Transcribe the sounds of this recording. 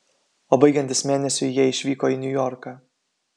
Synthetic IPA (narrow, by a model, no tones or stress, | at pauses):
oːbɐɪɡʲɛnʲt̪ʲɪsmʲeːnʲɛsʲʊɪjiɛɪʃʲʋʲiːkoːinʲʊjɔɾkɑː